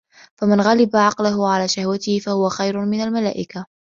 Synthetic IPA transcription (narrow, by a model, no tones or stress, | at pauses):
famanɣalɪbaʕɑqlaɦʊʕalaːʃahwat̪ɪhɪfahʊwaxajɾʊmɪnalmala̰ːʔɪka